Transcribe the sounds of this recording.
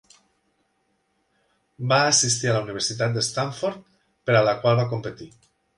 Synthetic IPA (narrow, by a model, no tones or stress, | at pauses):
baːsist̪ialauniβ̞eɾsit̪at̪̚d̪est̪aɱfoɾt̪̚ | peɾalakwalˠβak̬ompet̪i